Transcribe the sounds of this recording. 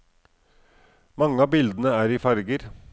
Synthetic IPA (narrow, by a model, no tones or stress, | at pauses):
mɑŋəɑːbɪld̪n̩əæːɾiːfɑɾɡəɾ